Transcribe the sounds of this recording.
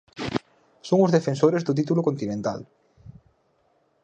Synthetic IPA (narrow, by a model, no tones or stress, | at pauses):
soŋʊzðefensoɾezðʊt̪̬it̪ulokont̪inẽnt̪a̰l